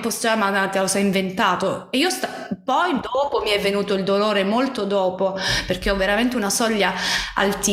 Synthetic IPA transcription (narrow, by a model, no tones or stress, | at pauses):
post̪amat̪elosɛjiɱvent̪aːt̪oeiːost̪a | pɔjd̪ɔːpomiɛvːenuːt̪oild̪oloːɾemolt̪od̪ɔːpoperk̟eɔvːeɾament̪̬eunasɔʎːaa̰lt̪i